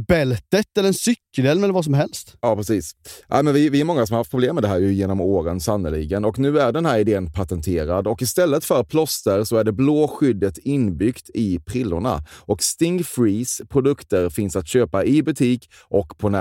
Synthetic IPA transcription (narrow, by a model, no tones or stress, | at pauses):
bɛlt̪ət̪ɛlːəɾɛnsʏkʰːəlɛːlmɛlːəvas̬ɔmɦɛlst̪jɑːpɾɛsiːsʔæ̰ɪmɛnvɪvɪæɾmɔŋːasɔmhaɾhaft̪pʰɾʊbleːmːɛd̪ɛɦæːɾjɵjeːnɔmoːɾənsanːəlɪ̰ɡənɔknʉ̟ːæɖɛnhæːɾɪd̪eːənpʰat̪ɛnt̪ʰeːɾad̪ɔkɪst̪ɛlːət̪fœɾat̪̚pʰlɔst̪əɾsɔæɖɛbloːɧʏd̪ːət̪ɪnbʏkt̪ʰɪpʰɾɪlːʊ̰ɳa̰ʔɔkst̪ɪŋfɾiːspʰɾʊd̪ɵkt̪əɾfɪnsat̪ɕøːpaʔɪbɵt̪ʰiːk | ʔɔkːpʰɔnæ